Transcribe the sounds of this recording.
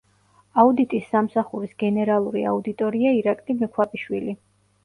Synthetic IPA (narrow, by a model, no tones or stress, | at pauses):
aud̪it̪ʼisːamsaχuɾisɡɛnɛɾalˠuɾḭa̰ud̪it̪ʼɔɾiaiɾakʼlimɛkʰwapʼiʃwili